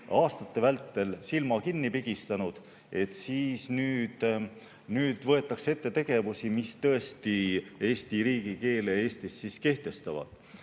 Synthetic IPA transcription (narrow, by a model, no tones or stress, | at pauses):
ɑːst̪ɑt̪ːe̞vælt̪ːe̞lsilmɑkinːipiɡ̥ist̪ɑnud̪̥ | e̞t̪ˑsiːsnyːd̪̥ | nyːd̪̥vɤ̞e̞t̪ːˑɑkse̞t̪ːe̞t̪e̞ɡ̥e̞vusimist̪ɤ̞e̞st̪ie̞ːst̪iɾiːɡ̥ike̞ːlee̞ːst̪isːiske̞ht̪e̞st̪ɑvɑ̰d̪̥